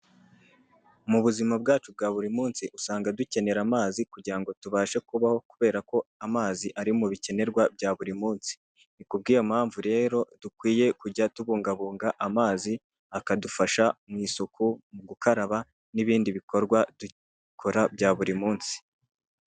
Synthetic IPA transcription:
muβuzimabɡaːt͡ʃub̚ɡaːβuɾimuːnsiʔusaːŋɡaduce̞ne̞ɾamaːzikuɟiɾaŋɡo̞tuβaːʃe̞kuβaho̞kuβe̞ːɾako̞amaːziʔaɾimuβice̞ne̞ɾɡwabɟaːβuɾimuːnsi̥ | nikub̚ɡiːjo̞mhaːɱvuɾe̞ːɾo̞d̥ukwiːje̞kuɟatuβuːŋɡaβuːŋɡaʔamaːzi | akadufaʃamŋiːsokumuɡukaɾaβa | niβiːndiβiko̞ɾɡwadu | kʰoɾabɟaːβuɾimuːnsi̥

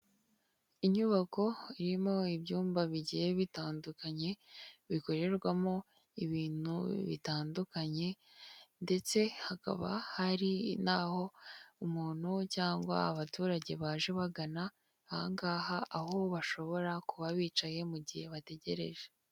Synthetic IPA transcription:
iɲuβako̞iɾimo̞ibɟuːmbaβiɟiheβitaːndukaɲe̞βiko̞ɾe̞ɾɡwamo̞ | iβiːn̥hṵβḭtaːndukaɲe̞ | nde̞t͡se̞haka̰βa̰haɾinaːho̞umuːn̥hucaːŋɡwa̰ːβatuːɾaɟe̞βaːʒeβaɡana | aŋɡaːhaʔaɦoβaʃo̞βo̞ɾakuβaβiːt͡ʃaje̞muɟihe̞βate̞ɟe̞ɾe̞̰ʒe

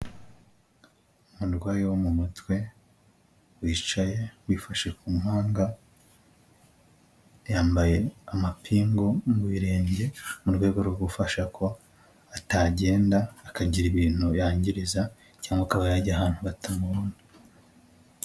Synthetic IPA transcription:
muɾɡwaːjewomumutwe̞ | wiːt͡ʃaje̞wiːfaʃe̞kumuhaːŋɡa | jaːmbaje̞amapʰiːŋɡo̞mwiɾe̞ːɲɟe̞muɾɡwaːjeɡoɾɡoɡufaʃakʰo̞ | ataːɟe̞ːndaːkaɟiɾiβiːn̥ujaːɲɟiɾiza | caːŋɡakaβajaɟiaɦaːn̥huβatamuβuːni

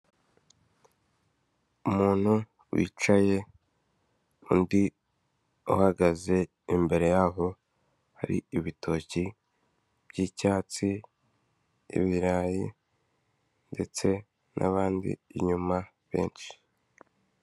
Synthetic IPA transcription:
umuːn̥hu | wḭːt͡ʃaje̞ | undi | uhaɡaze̞ | imbe̞ɾe̞jaːɦo̞ | haɾḭiβitʰo̞ci | b̥ɟiːcaːt͡si | ḭβiɾaːjḭ | nde̞t͡se̞ | nʔa̰βaːndḭːɲuma | βe̞̰ːnʃi̥

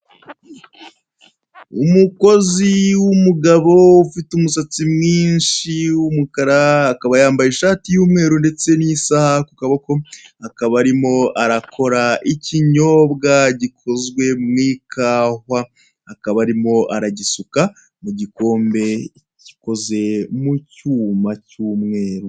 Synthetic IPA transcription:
umuko̞ziwumuɡaβo̞ufitumusat͡simŋiːnʃiwumukaɾaːkaβajaːmbajeʃaːtijuːmŋe̞ːɾunde̞t͡se̞nisahakukaβako̞akaβaɾimo̞ʔaɾakʰo̞ɾaʔiciɲo̞ːbɡaɟikʰo̞zɡwe̞mŋiːkʰaːhwaː | kaβaɾimo̞ʔaɾaɟisuka | muɟiko̞ːmbe̞ | ɟi̥ko̞ze̞mucuːmacuːmŋe̞ːɾu

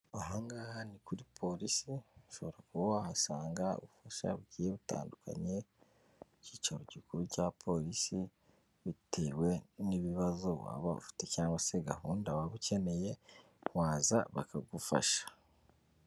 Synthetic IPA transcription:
aɦaːŋɡahanikuɾipʰo̞ɾisiʃo̞βo̞ɾakuβahasaːŋɡaṵβufaʃa̰βuɟiːjeβuta̰ːndukʰa̰ɲe̞ | ciːt͡ʃaɾoɟikuɾucapʰo̞ɾisi | βitʰe̞ːwe̞niβiβazo̞βwa̰ːβaṵfi̥te̞caːŋɡwase̞ɡahuːndawaβuce̞ne̞je̞ | waːza̰βa̰kaɡufa̰ʃḁ

